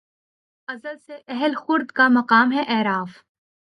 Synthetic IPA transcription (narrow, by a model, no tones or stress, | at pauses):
ɐzəlseʔɛɦəlxʊɾd̪kamɐqaːmɦɛʔɛːɾaːf